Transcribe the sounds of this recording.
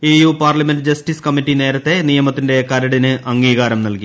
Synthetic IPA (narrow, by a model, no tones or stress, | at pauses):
eːjuːpaːrlɐmenɖɨd͡ʑɐsʈiskɐmiʈːine̞ːɾɐt̪ːe̞nijɐmɐt̪ːinde̞kɐɾɐɽinɨʔɐŋːiːɣaːɾɐmnɐlki